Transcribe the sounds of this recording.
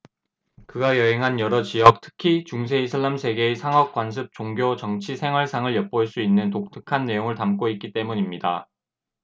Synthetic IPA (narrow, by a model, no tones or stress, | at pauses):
kɯɡajʌɦeŋɦanjʌɾʌt͡ɕiʌk̚tʰɯ̥kʰit͡ɕuŋs̬ʰe̞isʰɯɭːamsʰe̞ɡe̞ːsʰaŋɦʌk̚k͈wans̬ʰɯp̚t͡ɕ͈oŋɡjot͡ɕʌŋt͡ɕʰisʰe̞ŋɦwʌɭsʰaŋɯɭjʌp̚p͈oɭs͈uinːɯntok̚tʰɯkʰanːe̞joŋɯɭtamk͈oit̚k͈it͈e̞muɲimɲida